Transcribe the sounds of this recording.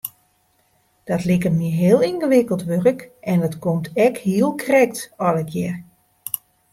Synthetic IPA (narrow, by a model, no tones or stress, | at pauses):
d̥ɔtlɪkəmiɦɪəlˠinɣəʋɪkəlˠtʋørəkɛndətkomtɛkhiəlˠkʰrɛk̚tɔləkjɛr